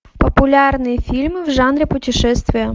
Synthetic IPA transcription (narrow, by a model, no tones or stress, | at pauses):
pɔpʊlʲɑrnɪjifʲilʲmɪwʒɑnɾʲɪpʊtʲiʃɛst̪ʋʲijɐ